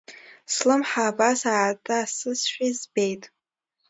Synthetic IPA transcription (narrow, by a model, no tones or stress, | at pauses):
slɨmħaːbasartʰʼaːsɨsʃᶣizbejtʼ